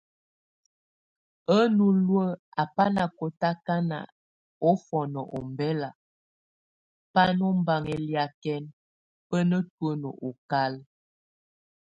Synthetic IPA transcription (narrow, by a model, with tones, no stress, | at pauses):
ə˦nu˦lwə˦a˨pa˦na˨ko˨ta˦ka˦na̰˨ | ɔ˦fɔ˨nə˨ʔɔ˨mbɛ˦la˨ | pa˦nɔ˦m˦ba˦ŋɛ˨lja˦kɛ˦n | pə˦nə˦twə˦nə˨ʔo˨ka˦l